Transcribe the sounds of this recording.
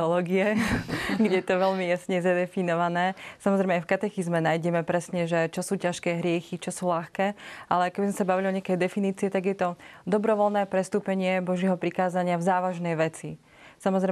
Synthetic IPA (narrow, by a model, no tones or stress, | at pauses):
ɔlɔːɡiɛ | ɡɟɛjt̪ɔʋɛʎmijasɲɛzad̪ɛfinɔʋanɛːsamɔzɾɛjmɛajfkat̪ɛxizmɛnajɟɛmɛpɾɛsɲɛʒɛt͡ʃɔsuːcaʃkɛːɦɾɪɛxit͡ʃɔsuːlaxkɛːʔalɛkɛbizmɛsabaʋiliɔɲɪakɛjd̪ɛfiniːt͡siɛt̪aɡjɛt̪ɔd̪ɔbɾɔʋɔlnɛːpɾɛst̪uːpɛɲɪɛbɔʒɪɛɦɔpɾikaːzaɲɪavzaːʋaʒnɛjʋɛt͡si | samɔzɾɛ